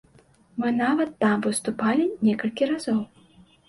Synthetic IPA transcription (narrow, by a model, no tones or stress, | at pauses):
mɨnavɐt̪ːamvɨst̪upalʲinʲɛkɐlʲkʲiɾazɔw